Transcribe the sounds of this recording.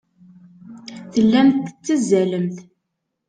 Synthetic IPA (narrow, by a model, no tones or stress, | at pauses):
θəlːæmθət͡sːəzːæləmθ